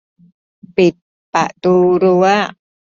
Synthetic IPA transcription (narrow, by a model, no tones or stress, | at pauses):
pi | pa̰ʔt̪uɾua